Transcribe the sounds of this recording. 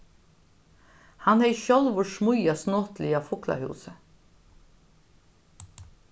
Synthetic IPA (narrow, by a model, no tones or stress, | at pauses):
hanhɛɪçɔlʋʊʂmʊjasnoːt̪lɪɑːfʊkla̰hʉ̰ːsə